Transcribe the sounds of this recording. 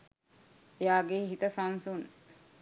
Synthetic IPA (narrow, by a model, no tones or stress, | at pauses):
ejaːɡeɦit̪əsansun